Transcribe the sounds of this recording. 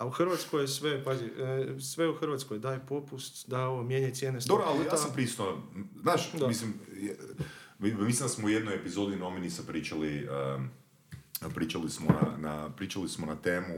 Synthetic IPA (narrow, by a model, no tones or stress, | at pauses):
auxrʋat̪skojesʋepazisʋeuxr̩ʋat̪skojd̪aːjepo̞pust̪d̪aoʋomjeɲat̪je̞nesd̪obɾoalijaampɾist̪oznaːʃd̪amislimj | mislimnd̪asmoujed̪nojepizod̪inominisapɾiːt͡ʃaliə | pɾiːt͡ʃalismona̰na̰pɾiːt͡ʃalismonat̪eːmu